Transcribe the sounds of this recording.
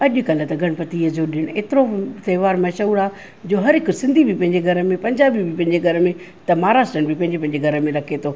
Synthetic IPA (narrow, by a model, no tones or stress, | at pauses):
ɐʄʊ̆kɐlət̪ɐɡʱɐɽ̃pɐt̪iːəd͡ʑoɗɪɽ̃eːt̪ɪɾot̪eːʋaːɾmɐʃəuɾaː | d͡ʑoːɦɐɾɦɪksɪ̃nd̪ʱibʱipɐ̃ɦɪ̃ɲd͡ʑeɡʱɐɾəmẽpɐ̃ɲd͡ʑaːbibʱipɐ̃ɦɪ̃ɲd͡ʑeɡʱɐɾəmẽ | t̪ɐmaːɾaːsʈɾəɽ̃bʱipɐ̃ɦɪ̃ɲd͡ʑepɐ̃ɪ̃ɲ̆d͡ʑeɡʱɐɾəmẽɾɐkʰet̪ʰoː